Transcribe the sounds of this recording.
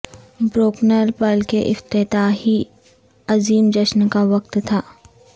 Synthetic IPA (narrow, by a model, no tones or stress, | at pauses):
bɾoːknəɾpəlkeʔɪft̪ɪt̪aːɦi | ɐziːmd͡ʒɐʃnkaʋɐq̚t̪t̪ʰaː